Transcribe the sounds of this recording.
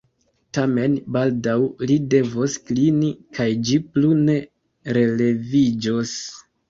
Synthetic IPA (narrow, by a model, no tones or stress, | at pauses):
tame̞nbaldawlide̞vosklinikajd͡ʒiplune̞ | ɾe̞le̞vid͡ʒos